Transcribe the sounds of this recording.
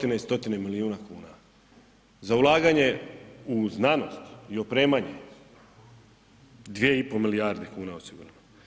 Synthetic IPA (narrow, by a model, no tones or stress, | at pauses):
ot̪ineist̪o̞t̪inemiliuːnakuːna | zaulˠaːɡaɲe̞uznaːno̞̰st̪iopɾe̞ːmaɲe | d̪ʋjeipo̞miliaɾd̪e̞kuːnaosiɡṵɾano